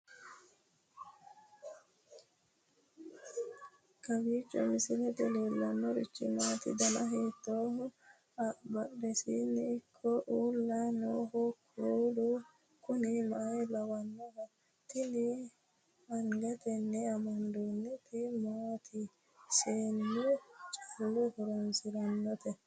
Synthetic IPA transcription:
kɐbiːt͡ʃʼːɔ̰mɪsɪlɛt̪ɛleːlːɐnːɔɾɪ̰t͡ʃːɪ̰maːt̪ɪ̰d̪ɐnɐɦeːt̪ːoːhʊ | ɐbɐʔɾɛsinːɪːkʰːɔʔuːlːɐnoːhɔkʰuːd̪ʊ | kʊnɪmaːjlɐwɐnːɔhɐ | t̪ɪnɪ | ɐŋɡɐt̪ɛnːɛɐmɐnd̪onːɛt̪ɪmaːt̪ʰɪ | seːnːʊt͡ʃʼɐlːʊhɔɾɔnsɪɾɐnːɔt̪ɛ

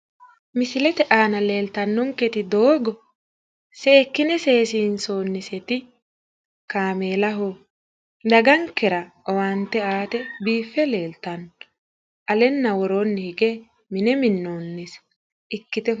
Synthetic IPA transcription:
mɪsɪlɛt̪ɛʔaːnɐle̞ːlt̪ɐnːɔŋkɛt̪ɪd̪oːɡɔ | sɛːkːɪnɛse̞ːsiːnso̞ːnːɪsɛt̪ɪ | kaːme̞ːlɐɦo | d̪ɐɡɐŋkɛɾɐɔwant̪ːɛaːt̪ɛbiːfːɛle̞ːlt̪ɐnɔ | ʔɐlɛnːɐwɔɾoːnːɪhɪɡe | mɪnɛmɪnːoːnːɪs | ʔɪkːɪt̪ɛ

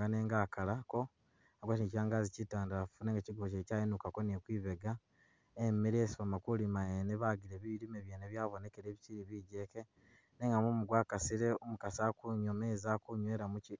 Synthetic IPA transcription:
ŋɡane̞ːŋɡaːkalako̞ | aɡwatinicaːŋɡaːzicitaːndafuneŋɡaciɡoβocecaːjinukako̞nekwiːβeɡa | emmeɾesβamakulimaeneβaɡiɾeβiiɾimeβjeːneβjaːβo̞ne̞keɾeβiciɾiβiɟe̞ke̞ | ne̞ŋɡamumuɡwaːkasiɾe̞omukasakuɲomeːzakuɲwe̞ːɾamuci

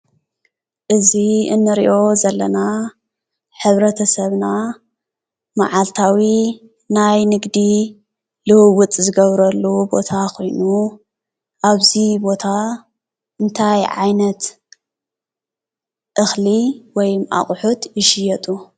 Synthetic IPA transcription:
ʔɨziɨ̰nːɨɾḭʔo̞zɐlːɐna | ħɨβɾɐt̪ʰɐsɐβna | ma̰ʕalt̪ʰawi | najnɨɡd̪i | lɨhɨwʊt͡s̪ʼzɨɡɐβɾɐlːubo̞̰t̪ʰakʰo̞jnu | ʔaβzibo̞t̪ʰa | ɨnt̪ʰajʕa̰jnɐt̪ | ʔɨxliwɔjmʔa̰χʼħut̪jɪʃɪjɛt̪ʼu

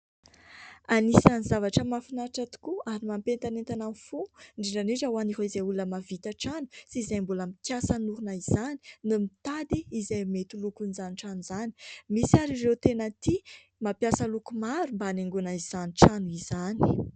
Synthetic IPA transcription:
anisanizavaʈ͡ʂəmafinaʈ͡ʂat̪u̥kuaɾimampent̪anent̪ananfuɳɖ͡ʐiɖ͡ʐaneʈ͡ʂəwaniɦoizajuləmavit̪aʈ͡ʂanusiːzajmbuləmikjasanuɾunaiz̥ani̥numit̪ad̪iːzajmet̪ulukunizaniʈ͡ʂanizani̥misiaɾirewt̪enət̪i | mapjasəlukumaɾumbaaneŋɡunaiz̥aniʈ͡ʂanuizani̥

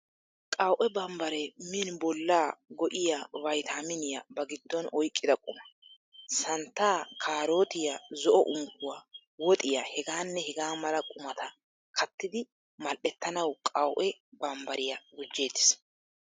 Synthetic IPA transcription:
kʼɐwʔɛbɐmbɐɾɛmɪnbɔlːaːɡɔʔɪjavɐjt̪ʰamɪnɪjɐ̰bɐɡɪd̪ːɔnɔjkʼːɪd̪ɐkʼʊmɐ | sɐnt̪ːaːkʰaːɾo̞ːt̪ɪjazɔʔɔʔʊŋkʊwa | wɔt̪ʼɪjahɛɡaːnːɛhɛɡaːmɐlɐkʼʊmɐt̪ʰɐ | kʰɐt̪ːɪd̪ɪ | mɐlʔɛt̪ːɐnɐwkʼɐwʔɛbɐmbɐɾɪjɐɡʊd͡ʒːeːd̪ːɪ̥s

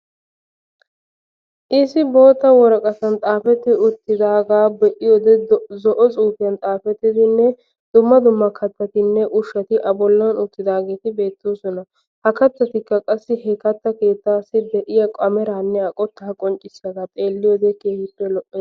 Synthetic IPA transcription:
ʔɪsɪbo̞ːt̪ːɐwɔɾɐkʼɐt̪ɐnt̪ʼaːfɛt̪ːɪʊt̪ːɪd̪aːɡaːbɛʔɪjod̪ɛzɔʔɔt͡sʼuːfɪjɐnt̪ʼaːfɛt̪ːɪd̪ɪnːɛ | d̪̥ʊmːɐd̪ʊmːɐkʰɐt̪ːɐt̪ɪnːɛʔʊʃːɐt̪ɪʔɐbɔlːɐnʊt̪ːɪd̪aːɡeːt̪ɪbe̞ːt̪ːoːsɔnɐ | hɐkɐt̪ːɐt̪ɪkːɐkʼɐsːɪhɛkɐt̪ːɐke̞ːt̪ːaːsɪd̪ɛʔɪjɐkʼɐmɛɾaːnːɛɐkʼɔt̪ːɐɐkʼɔnt͡ʃʼɪsːɐɡ̪at̪ʼeːlːɪjɔd̪ɛkeːhɪpːɛlɔʔʼːɛ

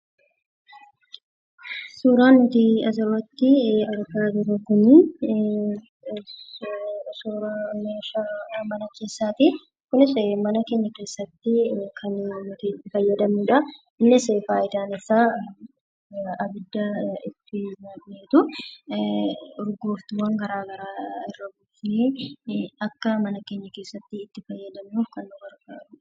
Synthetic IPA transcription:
suːɾaːnːʊt̪iɐsɐwɐt̪ːɪɐɾkaːd͡ʒɪɾɐkʊnɪ | suːɾɐmɐʃɐmɐnɐke̞ːsːaːt̪ɪ | kʊnɪsɛmɐnɐkeːɲːɐke̞ːsːɐt̪ːɪkʰɐnmɔt̪iːt̪ːɪfɐjːɐd̪ɐmuᶑɐ | ɪnːɪse̞ːfaːɪt̪aːnɪsːaː | ɐbɪd̪ːɐɪt̪ːɪnɐkneːt̪ʊ | ɾɡoːft̪ʊwɐŋɡɐɾaːɡɐɾaːɪrːɐɡuːfneː | ɐkːɐmɐnɐke̞ːɲːɐke̞ːsːɐt̪ːɪːt̪ːɪfɐjːɐd̪ɐmnuːfkɐnːʊɡɐɾkaːʊ

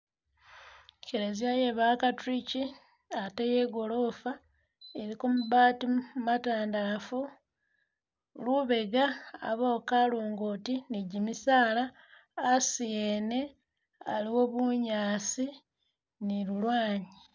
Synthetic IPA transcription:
keɾezijajeβaːkatɾici | ateje̞ɡo̞lo̞ːfa | eɾikomuβaːtimataːndafu | luβe̞ɡa̰ːβokaluːŋɡotiniɟimisaːlaː | sijene̞ | aliwo̞βuɲaːsi | niɾulwaːɲi

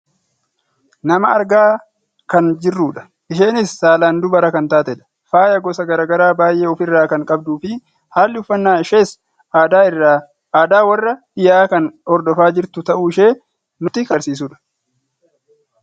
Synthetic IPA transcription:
nɐmɐɐɾɡaː | kɐnd͡ʒɪrːuːᶑɐ̥ | ʔɪʃe̞ːnɪsːaːlaːnd̪ʊbɐɾɐkɐnt̪aːt̪ɛᶑɐ̥ | faːjɐɡɔsɐɡɐɾaːɡɐɾaːbaːjʔe̞ːɔfɪrːaːkɐŋkʼɐb̚d̪uːfɪ | haːlːɪʊfːɐnːaːɪʃeːsː | d̪aɪ | aːd̪aːwɐrːɐdɪjaːkɐnɔɾd̪ɔfaːd͡ʒɪɾt̪ʊt̪ɐʔuːɪʃe̞ː | nʊt̪ɪkɐɾsiːs̬uːᶑɐ̥

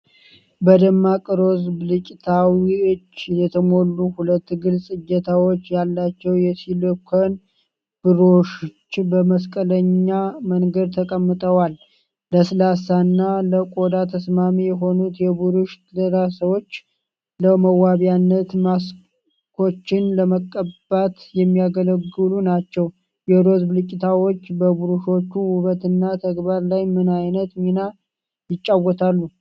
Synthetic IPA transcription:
bəd̪əmːakʼɨɾo̞zbɨlɨt͡ʃʼt̪ʰawiɨt͡ʃːjɛt̪ʰəmo̞lːuhulət̪ːɡɨlsʼɨjːət̪ʰawo̞t͡ʃːjalːat͡ʃːɛwjɛsilkʷʰən | b̥ɨɾoʃt͡ʃːbəməskʼələɲːaməŋɡəd̪̚t̪ʰəkʼəmːɨt̪ʼəwalː | əsɨlasanːaləkʼo̞d̪at̪ʰəsmamijɛɦo̞nut̪jɛbuɾuʃ | dəɾasəwo̞t͡ʃː | ləməwaβjanːət̪mas | kʰo̞t͡ʃːɪnləməkʼːəb̥at̪jɛmːijaɡələɡɨlunat͡ʃːɛw | jɛd̪o̞zblɨt͡ʃʼːɪt̪ʰawo̞t͡ʃːbəbuɾuʃo̞t͡ʃːuhuβət̪ɨnːat̪ʰəɡbaɾlajmɨnajnət̪ɲina | jɪt͡ʃʼːawət̪ʰalːu

